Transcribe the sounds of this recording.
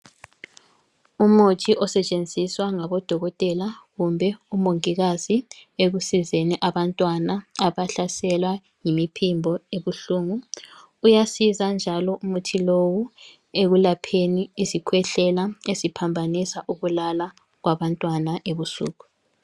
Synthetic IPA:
umutʰiʔɔsɛt͡ʃʼend͡zʱiswaŋaβɔd̥ʱɔɣɔtʼɛlaɣumbʱɛumoŋiɣazieɣusizeniʔaβantʼwanaaβaɬasɛlwa | jimipʰimbʱɔeβuɬuŋu | ujasizand͡ʒʱalɔʔumutʰilowu | eɣulapʰeniːzikʰwɛɬɛlaezipʰambʱanisaʔuɣulala | ɣwaβantʼwanaʔeβusṵːɣu

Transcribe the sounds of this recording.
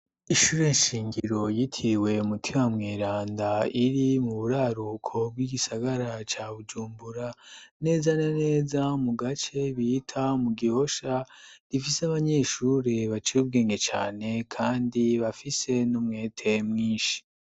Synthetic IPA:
iʃuːɾeiʃiːŋɡiɾo̞jitʰiwe̞umutʰimamŋeːɾaːndaiɾimuβuɾaːɾukʰo̞b̚ɡiɡisaɡaɾat͡ʃaβud͡ʒuːmbuɾane̞ːzanane̞ːzamuɡat͡ʃe̞βiːtʰamuɡiho̞ʃaɾifisaβaɲe̞ːʃuːɾeβat͡ʃiɾub̚ɡe̞ːŋɡe̞t͡ʃa̰ːne̞kʰaːndiβafise̞numŋe̞ːtʰe̞mŋiːnʃi̥

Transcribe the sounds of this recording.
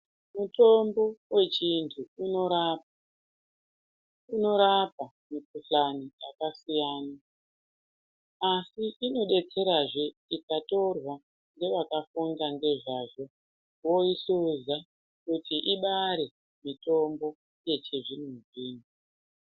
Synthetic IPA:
muto̞mbo̞we̞t͡ʃintʰuunoɾap | uno̞ɾapa | mikuɬaniakasijaːna | asiʔino̞ɗe̞t͡se̞ɾaʐe̞ikato̞rwa | ŋɡe̞ʋakafundande̞ʐaːʐo̞ | wo̞iɬuza | kutiʔiɓaɾe̞ | mito̞mbo̞ | je̞t͡ʃeʐinumuʐiːnu

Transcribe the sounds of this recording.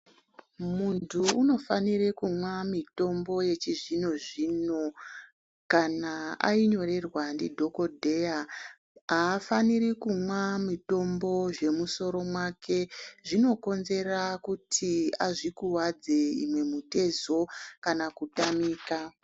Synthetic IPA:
muntʰuːno̞fanirekumwamito̞mbo̞je̞t͡ʃiʐino̞ʐiːno̞ | kanaa̰iɲo̞re̞rwandidʱo̞ko̞dʱeja | aːfanirikumwamito̞mbo̞ʐe̞muso̞ɾo̞mwakʰe̞ʐino̞ko̞nze̞rakutʰiaʐikuwad͡ze̞ḭmwe̞mute̞zo̞kanakutamiːka

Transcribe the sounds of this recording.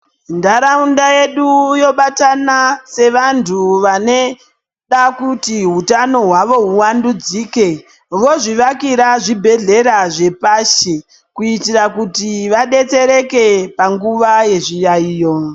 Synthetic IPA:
ndaɾaundaje̞ɗujo̞ɓatanase̞ʋantʰuʋane̞ | ɗakutiɦutano̞ɦwaʋo̞ɦuwandud͡ziːke̞ | ʋo̞ʐiʋakiɾaʐibʱe̞ɮe̞ɾaʐe̞paːʃe | kuitirakutiʋaɗe̞t͡se̞ɾe̞ke̞paŋɡuʋaje̞ʐijaiːjo̞

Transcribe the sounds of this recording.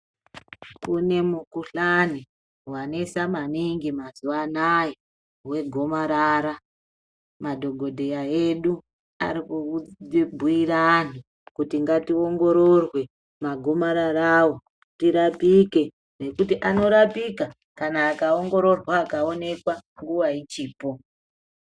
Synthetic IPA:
kune̞mukuɬani | wanesamaniŋɡimazuʋanaje | we̞ɡʱo̞maɾaɾa | madʱo̞ɡʱo̞dʱejaeɗu | a̰ɾiku | bʱuiranu | kutiŋɡatio̞ŋɡo̞ɾorwe̞ | maɡʱo̞maɾaɾawo | tiɾapike̞ | ne̞kutiʔano̞ɾapika | kanaːkao̞ŋɡo̞ɾo̞rwaːkao̞ne̞kwaŋɡuʋait͡ʃiːpo̞

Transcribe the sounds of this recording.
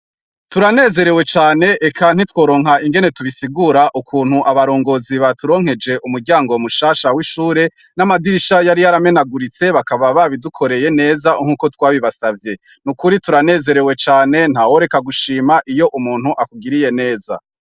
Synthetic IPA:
tuɾane̞ːze̞ɾe̞we̞t͡ʃaːne̞ʔekʰan̥itwo̞ːɾo̞ːŋɦaiŋɡe̞ne̞tuβisiɡuɾaʔukʰuːn̥huʔaβaɾo̞ːŋɡo̞ːziβatuɾo̞ːŋ̥e̞d͡ʒe̞ʔumuɾɟaːŋɡo̞muʃaːʃawiʃuːɾe̞ | namadiʃajaɾijaɾame̞naɡuɾit͡se̞βakaβaβaβidukʰo̞ɾe̞je̞ne̞ːzaŋ̥uːko̞twaːβiβasavje̞ | nukuɾituɾane̞ːze̞ɾe̞we̞t͡ʃaːne̞n̥hawo̞ɾe̞kaɡuʃiːmaʔijo̞ʔumuːn̥huʔakuɡiɾije̞ne̞ːza̰

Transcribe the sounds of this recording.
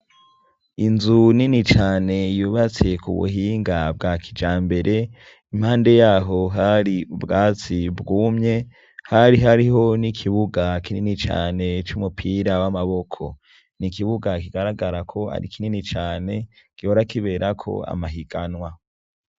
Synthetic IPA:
inzuninit͡ʃaːne̞juːβat͡se̞kṵβṵɦiːŋɡab̚ɡakʰid͡ʒaːmbe̞ɾʔe̞ | im̥haːnde̞jaːɦo̞ɦaɾiubɡaːt͡sibɡuːmɲe̞ | haɾiɦaɾiɦo̞nikʰiβuɡakininit͡ʃa̰ːne̞t͡ʃumupʰiɾawamaβo̞kʰo̞̰ | nikiβuɡakiɡaɾaɡaɾakʰo̞a̰ɾḭkininit͡ʃaːne̞kihoɾakiβe̞ːɾʔakʰo̞̰a̰maɦiɡanwa

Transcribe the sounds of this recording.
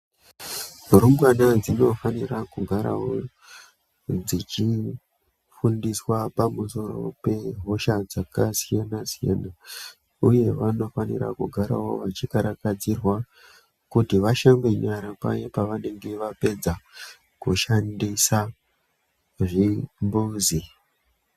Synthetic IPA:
uɾumwanad͡zino̞fanirakuɡʱaɾa̰wo | d͡zit͡ʃi | fundiswapamuso̞ɾo̞̰pe̞ɦo̞ʃad͡zakasijanasija̰na | uje̞ʋano̞fanḭra̰kuɡʱaɾa̰wo̞̰ʋat͡ʃikaɾakad͡zirwa | kutiʋaʃambe̞ɲaɾapa̰jepaʋane̞ŋɡe̞ʋape̞d͡za | kuʃandisa | ʐimbuːzi

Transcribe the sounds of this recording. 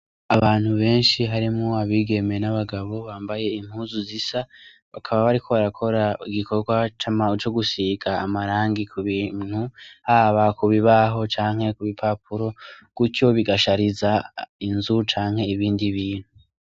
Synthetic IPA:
aβaːn̥huβe̞ːnʃiɦaɾimŋoaβiːɡe̞me̞naβaɡaβo̞βaːmbaje̞im̥huːzuzisa | βakʰaβaβaɾikʰo̞βaɾakʰo̞ɾaiɡikʰo̞ɡwat͡ʃamaut͡ʃo̞ɡusiɡaːmaɾaːŋɡikʰuβiːn̥huhaβakuβiβaɦo̞t͡ʃaːŋ̥he̞kuβipʰap̚ʰuɾo̞kuco̞βiɡaʃaɾizainzut͡ʃaːŋhe̞iβiːndiβiːn̥hu

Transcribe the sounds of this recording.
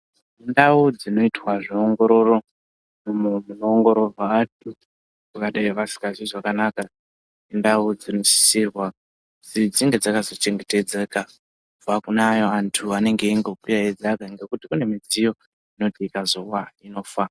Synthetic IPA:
indaud͡zino̞itwaʐioŋɡo̞ɾo̞ro̞ | mumun̤unoːŋɡo̞ɾo̞vʱaːt̚ʰu | kukaɗaiʋasi̥kaʐiʐakanaka | indaud͡zinoʃi̥sirwa | d͡zid͡ziŋɡe̞d͡zakazo̞t͡ʃe̞ŋɡe̞te̞d͡ze̞ka | ub͡vakunajo̞antʰuane̞ŋɡe̞iŋɡo̞kiraed͡zakaŋɡe̞kutikune̞mid͡zijo̞ | ino̞tikazo̞waino̞fa

